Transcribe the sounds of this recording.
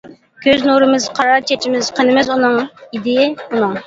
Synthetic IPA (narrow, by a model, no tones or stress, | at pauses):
kʲʰøznuɾɨmɨzqʰɑɾɑɾt͡ʃʰɛt͡ʃʰimɪzqʰənɨmɪzunɨŋid̪ɪjɪunɨŋ